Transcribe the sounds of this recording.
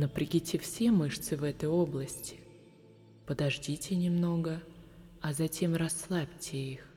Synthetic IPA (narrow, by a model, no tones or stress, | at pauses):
nəpɾʲɪɡʲitʲɪfsʲemɨʂt̪sɨvɛt̪əjo̞blˠəsʲtʲɪ̥ | pəd̪ɐʐdʲitʲɪnʲɪmno̞ɡə | ɐzɐtʲe̞mrɐsːlˠapʲtʲɪix